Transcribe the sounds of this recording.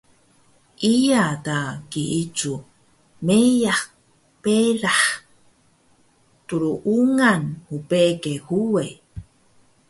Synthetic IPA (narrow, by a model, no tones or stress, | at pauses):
ʔijatakiʔit͡ʃu | mejaχ | peɾaħ | tuɾuʔuŋanhupekehue